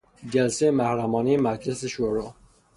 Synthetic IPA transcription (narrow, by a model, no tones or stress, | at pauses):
d͡ʒælsejemæhɾæmɒːnijemæɾkʰleseʃoɾo